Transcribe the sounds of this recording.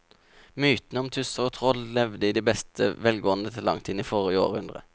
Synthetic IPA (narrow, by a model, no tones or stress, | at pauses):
myːt̪nəɔmt̪ʰʉsəoːt̪ʰʁɔllɛʋd̪əiːd̪iːbɛst̪ʰə̰ʋɛlɡoːənd̪ət̪ʰɪlːɑ̰ŋt̪ʰiːd̪niːfɔʁəɪo̰ːʁəhʉnd̪ʁə̰